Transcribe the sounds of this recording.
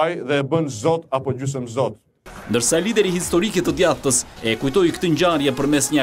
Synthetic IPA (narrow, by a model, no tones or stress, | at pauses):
jðɛbənzɔt̪apɔd͡ʒys̬əmzɔt̪ | nd̪əɾsalid̪ɛɾihist̪ɔɾikɛt̪əd̪jaθt̪əsɛkujt̪ɔjkt̪əɲd͡ʑaɾjɛpəɾmɛsɲə